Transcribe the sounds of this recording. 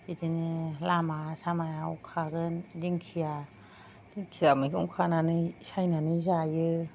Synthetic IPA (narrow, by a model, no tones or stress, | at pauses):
itinɯlamasamajaṵkʰaɡɯndiŋkʰija | d̥iŋkʰijamɯkʰɯkʰananɯsajnanɯzajɯ